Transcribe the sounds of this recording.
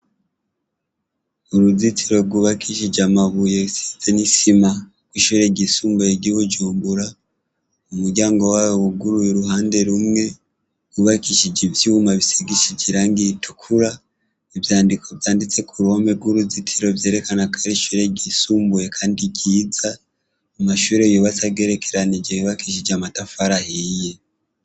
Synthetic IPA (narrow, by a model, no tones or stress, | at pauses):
uɾuzitʰiɾo̞ɡuβakʰiʃid͡ʒamaβuje̞βisi̥ze̞nisima | kwiʃuɾe̞ɟisuːmbujeɟiβud͡ʒuːmbuɾa | umuɾɟaːŋɡo̞waːwouɡuɾujiɾuɦaːnde̞ɾumŋe̞ | kuβakiʃid͡ʒevjimaβiseɡiʃid͡ʒiɾaŋɡitʰu̥kʰuɾa | evjaːndikʰo̞βjaːndit͡se̞kʰuɾomeɡwuɾuzitʰiɾo̞vje̞ːɾe̞kanakʰḁɾiʃuːɾe̞ɟisuːmbuje̞kʰaːndiɟiːza | amaʃuːɾejuβat͡saβɡe̞ːɾe̞kʰeɾanid͡ʒeβiβakiʃ̬id͡ʒamatafaɾahije